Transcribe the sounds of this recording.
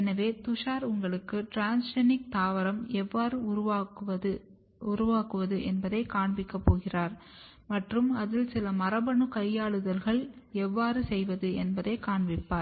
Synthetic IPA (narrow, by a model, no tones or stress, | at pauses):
ɛnɐʋeːt̪ʊʂaːɾʊŋɡɐɭɯkːɯʈɾaːnsʂɐnɪk̚t̪aːʋɐɾɐmɛʋːaːɾɯɐ | ʊɾʊʋaːkɯʋɐðɯʔɛnbɐðɐɪkaːɳbɪkːɐpːoːɣɪraːɾ | mɐʈrɯmɐðɪlsɪlɐmɐrɐbɐɳɯkɐjːaːɭɯðɐlɣɐɭɛʋːaːɾɯsɛjʋɐðɯɛnbɐðɐɪkaːɳʋɪpːaːɾ